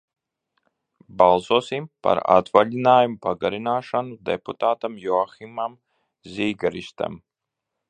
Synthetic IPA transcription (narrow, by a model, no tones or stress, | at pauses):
balˠsoːsimpa̰ɾa̰t̪valʲinaːjumupaɡaɾinaːʃanud̪ḛput̪aːt̪amjɔaximam | zʲiːɡaɾiʃt̪ɛ̰m